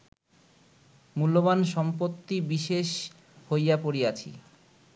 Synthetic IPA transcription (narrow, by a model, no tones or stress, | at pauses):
mulːoβanʃɔmpot̪ːibiʃeʃ | hojapoɾiat͡ɕʰḭ